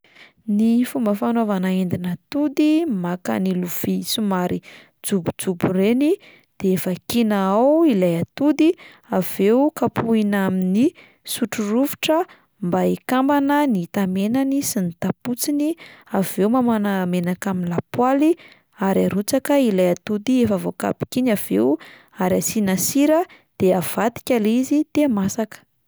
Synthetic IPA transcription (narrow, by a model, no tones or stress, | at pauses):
nifumbəfanovanaend̪inat̪ud̪imaka̰niluv̥isumaɾi | d͡zubud͡zubureni | d̪̥eefakinaawilajat̪ud̪i | av̥eukapuinamini | suʈ͡ʂuɾuvi̥ʈ͡ʂə | mbaikambanənit̪amenanisinit̪aput͡siniavewmamanamenakaminlapwali | aɾaɾut͡sakəilajat̪ud̪iefavoka̰bi̥kinav̥ew | aɾiasinasiɾə | d̪̥eav̥at̪i̥kʲalizit̪emasakə̥